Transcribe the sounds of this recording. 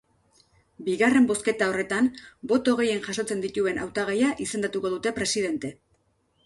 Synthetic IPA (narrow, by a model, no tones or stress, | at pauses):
biɣare̞mbo̞ske̞t̪ao̞re̞t̪anbo̞t̪o̞ɣ̞e̞je̞nʝaso̞t͡se̞nd̪it̪ue̞na̰wt̪aɣejaʔise̞nd̪at̪uko̞ð̞ut̪e̞pɾe̞sið̞e̞nt̪e̞